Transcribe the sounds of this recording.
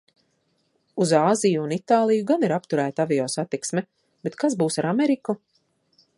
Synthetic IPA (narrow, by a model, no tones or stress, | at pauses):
uzaːzijuːnit̪aːlˠijuɡaniɾapt̪uɾæːt̪avijɔːsat̪iksmɛ | bet̪kazbuːsaɾameɾiku